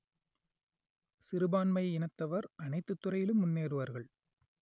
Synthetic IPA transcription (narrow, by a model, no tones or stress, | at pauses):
sɪɾɯbaːnmɐjɪnɐt̪ːɐʋɐɾʔɐnɐɪt̪ːɯt̪ːɯɾɐjɪlɯmːʊnːeːɾɯʋɐɾɣɐɭ